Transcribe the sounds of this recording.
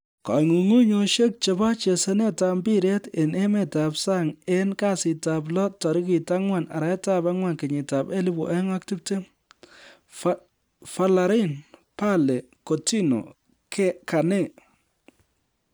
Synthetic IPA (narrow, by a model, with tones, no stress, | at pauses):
ka̰˨ŋu˨ŋu˦ɲo˧ʃe˦k̚t͡ʃe˨ba˦t͡ʃe˨se˦ne˦ta˧mbi˦ɾe˦te˨ne˦me˨ta˨psa˦ŋe˦nka˦sɪ˨ta˨p̬lɔ˦ttːɔ˨ɾi˦ki˨ta˦ŋwa˨na̰˨ɾa˨˦ta˦ba˦ŋwa˨nkɪ˨ɲɪ˨ta˨pe˦li˦bṵ˨ʔe˦ŋa˦k̚ti˦p̚te˦m | fa˨la˨ɾi˦npa˦le˨ | ko˨ti˦no̰˨ | kʰe˦ka˨ne˦˨